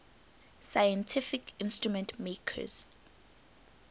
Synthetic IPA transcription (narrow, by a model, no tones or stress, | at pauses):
sajɛ̃ntʰifikʰĩnstɹumɛ̃ntʰmekʰə̰z̥